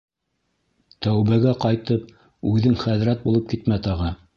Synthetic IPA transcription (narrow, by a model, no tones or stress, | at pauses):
t̪æwβæɡæqɑjt̪ɤp̚ | ʉðɘŋχæðɾæt̪̚bulˠɤp̚kit̪mæt̪ɑʁɤ